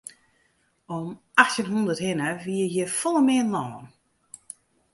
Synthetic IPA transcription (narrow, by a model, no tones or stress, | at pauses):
ɔm | axtənɦundərthɪnəʋiːəjəfɔlˠəmɪənlɔːn